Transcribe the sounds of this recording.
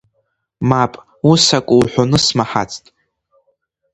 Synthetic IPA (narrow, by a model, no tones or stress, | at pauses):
mapʼ | usakʷʼuwħʷᶣonɨsmaħa̰t͡sʰtʼ